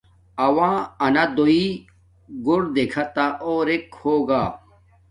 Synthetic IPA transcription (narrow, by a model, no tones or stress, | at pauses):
ɐwãːɐnad̪oi | ɡoɾd̪ekʰat̪aʔoɾekhoːɡaː